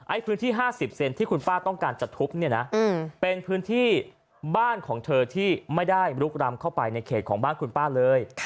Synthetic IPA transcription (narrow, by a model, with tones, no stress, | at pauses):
ʔa˦˥jpʰɯː˦˥nt̪ʰiː˥˩ɦaː˥˩si˨˩p̚se˧nt̪ʰiː˥˩kʰu˧npaː˥˩t̪ɔ˥˩ŋkaː˧nt͡ɕa˨˩t̪ʰːu˦˥p̚ni˥˩ɐna˦˥˧pe˧npʰɯː˦˥nt̪ʰiː˥˩ | baː˥˩nkʰɔː˩˦ŋt̪ʰɤː˧t̪ʰiː˥˩ma˥˩jda˥˩jɾu˦˥k̚ɾa˧mkʰa˥˩wpa˧jna˧jkʰeː˨˩kʰɔː˩˦ŋbaː˥˩nkʰu˧npaː˥˩lɤː˧jʰ